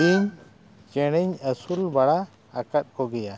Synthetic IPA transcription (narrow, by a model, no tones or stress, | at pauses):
l | t͡ʃɛɽ̃əɲəsulbaɽaː | kat̪̚kɔɡɛja